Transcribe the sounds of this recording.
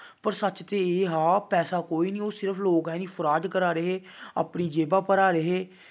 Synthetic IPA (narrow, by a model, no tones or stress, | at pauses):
pəɾsət͡ʃt̪eːeːɦaːpɛːsaːkoːiːniːoːsɪɾəpʰloːkɛːniːpʰʊɾaːd͡ʒkəɾaːɾəɦeːa̰ːpniːd͡ʒeːbaːpəɾaːɾəɦeː